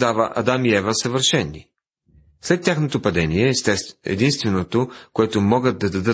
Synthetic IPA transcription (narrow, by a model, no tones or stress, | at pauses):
d̪avəʔɐ̰d̪amiɛvəsɐvəɾʃɛnːi | slɛt̪ːʲjaxnot̪opɐd̪ɛniɛɛ̰d̪inst̪vɛnot̪okoɛt̪omɔɡəd̪̚d̪ɐd̪ɐd̪ə